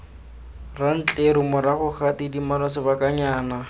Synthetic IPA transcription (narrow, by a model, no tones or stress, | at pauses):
ran̩t͡ɬʼeɾɪmʊɾaχʊχatɪdimalasɪbakʼaɲaːna